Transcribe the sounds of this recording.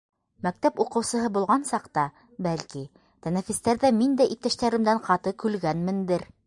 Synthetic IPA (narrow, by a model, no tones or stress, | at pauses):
mæk̚t̪æpuqɤ̆wsɤ̆ɦɤbulˠʁɑnsɑqt̪ɑ | bælki | t̪ænæfist̪æɾðæmind̪æʔit̪ɘ̆ʃt̪æɾɘ̆md̪æɴqɑt̪ɤkʉlɡænmɘ̆nd̪ɘɾ